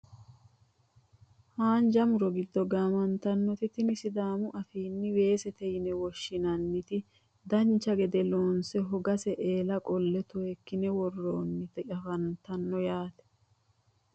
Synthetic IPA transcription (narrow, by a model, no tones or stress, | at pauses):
haːnd͡ʒɐmʊɾɔɡɪd̪ːɔɡaːmɐnt̪ɐnːɔt̪ɪt̪ɪmɪsɪd̪aːmʊʔɐfiːnːɪwe̞ːsɛt̪ɛjɪnɛwɔʃːɪnɐnːɪt̪ɪ | d̪ɐnt͡ʃːɐɡɛd̪ɛloːnsɛɦɔɡɐsɛʔeːlɐkʼɔlːɛt̪ʊɛkːɪnɛwɔrːoːnːɪt̪ɛʔɐfɐnt̪ɐnːɔjaːt̪ɛ̥